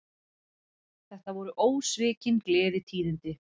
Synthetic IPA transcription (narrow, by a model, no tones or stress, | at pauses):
θɛht̪avɔɾʏʔoːwsvɪːcɪnklɛːðɪt̪ʰiːðʏnt̪ɪ